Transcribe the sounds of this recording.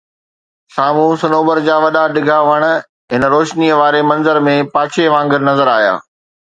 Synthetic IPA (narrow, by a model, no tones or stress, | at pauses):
saːmũsɐnoːbəɾd͡ʑaːʋɐɗaɗɪɡʱaʋɐɽ̃̆ | ɦɪnɾoːʃniəʋaːɾemɐ̃nzəɾmẽpaːt͡ɕʰeʋãːŋɡɪɾnɐzəɾaːɦja̰ː